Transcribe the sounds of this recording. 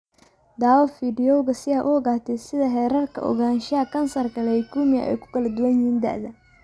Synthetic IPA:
d̪aːwɔfiːɖɪjɔwɣɐsɪaːʔʊɔɣaːt̪ʰɛsɪðɐɦɛːɾɐrkʰɐ̰ʔɔ̰ɣaːnʃɪɐkʰɐnsɐrkʰɐlɛjkʰuːmɪjɐ̰ʔɛ̰jkʰʊ̥kʰɐlɐd̪ʊwɐnjɪhiːnd̪ɐ̰ʔðɐ

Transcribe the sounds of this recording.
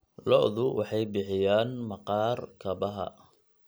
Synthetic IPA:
lɔ̰ʔðʊwʔɑ̰ħɑjbɪħɪjaːnmɐqɑːrkʰɐbɐɦɐ̰

